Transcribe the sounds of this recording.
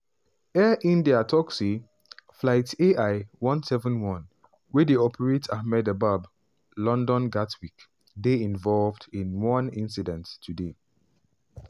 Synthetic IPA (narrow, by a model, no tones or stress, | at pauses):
ɛʔĩndiatʰɔksi | flaɪteʔaɪwɔ̃nsɛvə̃nwɔ̃n | wɛdeɔpʰəɹetʰahmɛdəbab | lɔ̃ndɔ̃nɡatwik | deĩnvɔlvdĩnwɔ̃nĩnsidɛ̃ntːʰude